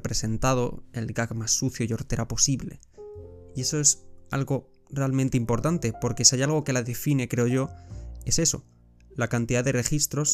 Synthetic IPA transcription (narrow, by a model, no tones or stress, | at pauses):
pɾe̞se̞nt̪að̞o̞̰e̞lɡakmasːuθjoio̞ɾt̪e̞ɾapo̞siβle̞̰ | ie̞so̞e̞sa̰lɣo̞ | realmẽnt̪eimpo̞ɾt̪ant̪e̞po̞ɾke̞siajalɣ̞o̞ke̞laðe̞fine̞kɾe̞o̞ʝo̞e̞se̞so̞̰ | lakant̪iðaðe̞re̞xist̪ɾo̞s